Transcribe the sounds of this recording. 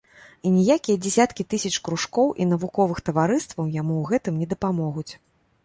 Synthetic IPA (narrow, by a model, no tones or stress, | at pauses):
inʲijakʲijɐd͡zʲɛsʲat̪kʲit̪ɨsʲɐt͡ʂkɾuʂkɔwʔḭnɐvukɔvɨxt̪ɐvaɾɨst̪vɐwjamuɣɛt̪ɨmnʲɛd̪ɐpamɔɣut͡sʲ